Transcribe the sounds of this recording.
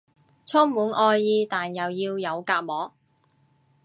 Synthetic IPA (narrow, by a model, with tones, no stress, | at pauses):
t͡sʰɔː˥ŋmuː˨˥nʔɔː˧jːiː˧t̪aː˨˩njɐ˨wjiː˧wjɐ˨˧wkaː˧t̚mɔː˨˥